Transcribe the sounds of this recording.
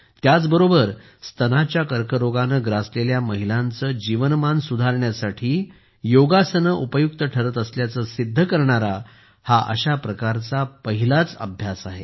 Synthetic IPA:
t̪jat͡sbəɾobəɾ | st̪ʰənat͡ɕjakəɾkəɾoɡanəɡɾasleljaməɦilãnt͡səːd͡ʑiʋənmansud̪ʱaɾɳjasaʈʰiː | joɡasənəʔupəjuk̚t̪əʈʰəɾət̪əsljat͡səsid̪ʱːəkəɾɳaɾa | haʔə̰ɕapɾəkaɾt͡sapəɦilat͡sə̰bʱjasaɦe

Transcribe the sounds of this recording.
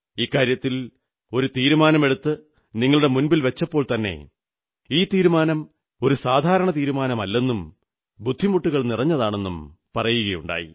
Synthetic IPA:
iːkːaːɾjɐt̪ːil | o̞ɾut̪iːɾumaːnɐme̞ɽut̪ːɨ | niŋːɐɭuɽe̞munbilʋet͡ɕːɐpːo̞ːɭt̪ɐnːe̞̰ | iːt̪iːɾumaːnɐm | o̞ɾusaːd̪ʱaːɾɐɳɐt̪iːɾumaːnɐmɐlːe̞nːum | bud̪ʱːimuʈːuɣɐɭnirɐɲːɐðaːɳe̞nːum | pɐrɐjuɣɐjuɳɖa̰ːjḭ

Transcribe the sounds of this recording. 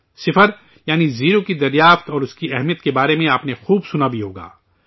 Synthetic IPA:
sɪfəɾ | jaːniziːɾokid̪ɐɾjaːft̪ɔːɾʊskiɛɦmijət̪kebaːɾemẽaːpnexuːbsʊnabʱiɦoːɡa̰ː

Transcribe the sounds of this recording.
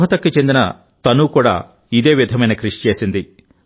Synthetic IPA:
ɦɐt̪ɐkːit͡ʃe̞nd̪inɐ | t̪ɐnukuːɽa̰ː | id̪e̞ːʋid̪ʱɐmɐjnɐkɾiʂi̥t͡ʃe̞ːsind̪i

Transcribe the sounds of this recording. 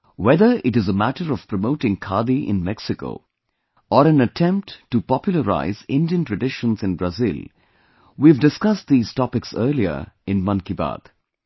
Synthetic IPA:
wɛðə˞ʔɪʈɨzəmæʈəɾɔv̥pɾəmoʊʈɪ̃ŋkʰaːd̪iʔɪ̰̃nmɛksɪko̰ʊ | ɔɾæ̃nətʰɛ̃mp̚ʈːupɔpjʊlˠəɾa̰ɪzɪ̃ndiə̃ntɹəɖɪʃə̃nzɨ̃nbɾazɪl | wivdɪskʌst̚d̪iːz̥tɔpɪksəːliə̰ɪ̃nmʌ̃nkiba̰d̪̥

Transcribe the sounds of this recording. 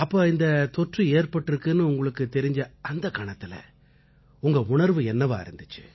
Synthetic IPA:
ɐpːoːɪnd̪ɐt̪ɔʈrieːɾpɐʈːɪɾɯkːɯnːɯʊŋɡɐɭɯkːɯt̪ɛɾɪɲd͡ʒɐɐnd̪ɐkɐɳɐt̪ːɪlɐ̰ | ʊŋɡɐʊɳɐɾʋɯɛnːɐʋaːɐ̰ɾɯnd̪ɯt͡ʃːɯ̰

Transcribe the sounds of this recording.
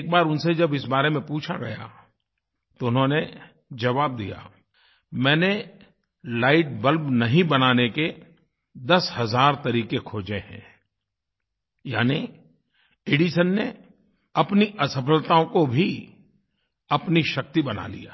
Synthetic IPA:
ek̚baːɾʊnsed͡ʒɐbɪsbaːɾemẽpuːt͡ʃʰaɡɐ̰ja̰ | t̪oʊnɦõne | d͡ʒɐʋaːb̚d̪ḭja̰ː | mɛ̃ːne | laːɪʈ̚bəlbnɐɦĩbɐnaːneke | d̪ɐshɐzaːɾt̪ɐɾiːkekʰoːd͡ʒeɦɛ̰̃ː | ja̰ːni | ɪːɖiʃənːe | ɐpniʔɐsəpəlt̪aõkobʱi | ɐpniʃɐk̚t̪ibɐna̰lḭja̰ː

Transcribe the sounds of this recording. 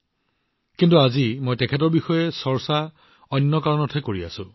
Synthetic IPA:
kintuazimojtɛkʰɛt̬ɔɹbixɔjɛsɔɹsa | ɔnːɔkaɹɔnɔtʰɛkoɹia̰sʊ̃

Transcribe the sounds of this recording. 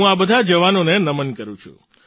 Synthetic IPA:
ũabəd̪ʱad͡ʒəʋanonenəmənkəɾũt͡ʃʰṵ

